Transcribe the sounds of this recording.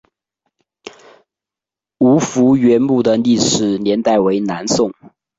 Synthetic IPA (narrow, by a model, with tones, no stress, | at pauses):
u˧˥fu˧˥ɥɛ˧˥nmu˥˩d̪ə˩li˥˩ʂɻ̩˨˥njɛ˧˥nt̪a˥˩ɪwe˧˥ɪna˧˥nsʊ˥˩ŋ